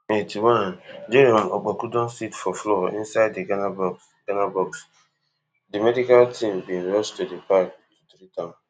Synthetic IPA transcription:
metiwanndeɾɔmɔk͡pɔkudɔ̃nsitfɔflɔḭ̃nsaɪdeɡanabɔk | ɡanabɔks | dimedikaltʰĩmbĩnɾɔstudepakidɾitãm

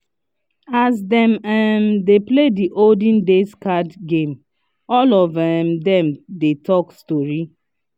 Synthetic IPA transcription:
asdɛ̃mɛmdeplediʔoldĩndeskadɡẽm | ɔlɔvɛmdɛ̃mdetʰɔkstɔɹi

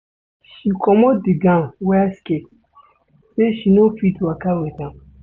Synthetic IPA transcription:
ʃikʰɔmɔdiɡãwɛsket̚ | seʃinofitwakawetã

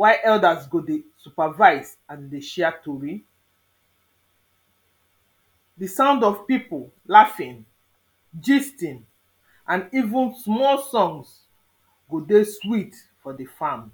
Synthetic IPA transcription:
waɪʔɛldasɡodesupavaɪz | ãndeʃɛatoɹi | disãʊ̃ndɔvpipollafĩn | d͡ʒistĩn | ʔãnivũnsmɔlsɔ̃ŋs | ɡodeswit | fɔdefam

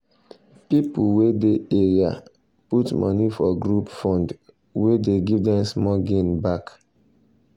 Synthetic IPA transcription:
pipuwedeeɹia̰ | putmʔɔ̰nifɔɡɹupfɔ̃nd | wedeɡivdɛ̃msmɔɡẽnbak

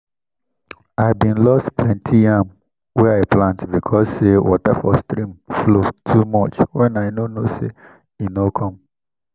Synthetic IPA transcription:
aɪbĩnlɔsttʰwɛ̃ntʰijam | wɛaɪplãntbikʰɔssewɔ̰tɛfɔstɾĩmflotʰumɔt͡ʃwɛ̃naɪnonosḛ | inokʰɔ̃m

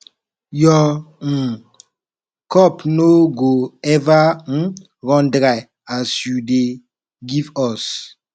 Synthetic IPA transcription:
jɔŋ̩ | kɔpnoɡoɛvaŋ̩ | ɣɔndɾa | asude | ɡivɔs

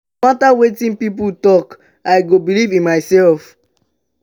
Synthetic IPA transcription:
atawetĩnpip̬utɔk | aɪɡobilivĩnmaɪsɛlf

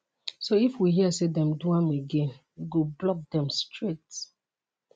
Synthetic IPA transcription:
soifwiɦiəsedɛ̃mduãmeɡẽn | ɡoblɔk̚dɛ̃mstɹet

